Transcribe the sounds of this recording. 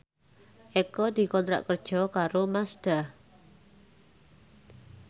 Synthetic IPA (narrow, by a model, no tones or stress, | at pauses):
ʔekɔd̪̥i̤kɔnt̪ɾa̰ʔkərd̥ʒ̥ɔ̤kaɾomasd̪̥a̤h